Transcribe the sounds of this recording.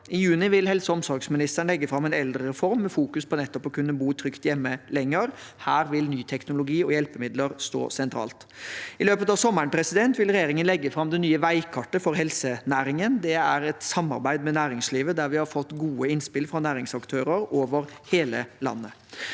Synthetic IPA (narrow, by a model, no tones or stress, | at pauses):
ɪjʉːnɪʋɪlhɛlsəɔmsɔɾksmɪnɪst̪əɳlɛɡːəfɾɑmːɛɪnɛld̪ɾəɾɛfɔɾmːɛfuːkʉspʰɔnɛt̪ːɔpɔkʉnːəbuːt̪ʰɾʏkt̪jɛmːəlɛŋːəɾhæːɾʋɪlnyːt̪ʰɛknʊlʊɡiːɔjɛlpəmɪd̪ləɾst̪o̰ːsɛnt̪ʰɾɑ̰ːlt̪ɪløːpət̪ɑʋsɔməɳpʰɾɛsɪd̪ɛnt̪ʋɪlɾɛjeːɾɪŋənlɛɡːəfɾɑmd̪ɛnyːəʋæɪkʰɑʈəfɔɾhɛlsənæːɾɪŋənd̪ɛæɾɛt̪sɑmːɑ̰ɾbæɪd̪mɛnæːɾɪŋsliːʋəd̪æɾʋɪhɑɾfɔt̪ːɡuːəɪnspɪlfɾɑnæːɾɪŋsɑkt̪ʰøːɾəɾoːʋəɾheːləlɑ̰nːə